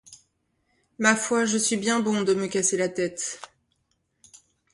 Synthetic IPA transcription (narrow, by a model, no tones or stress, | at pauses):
mafwaʒəsɥibjɛ̃bɔ̃d̪əməkʲaselat̪ɛt̪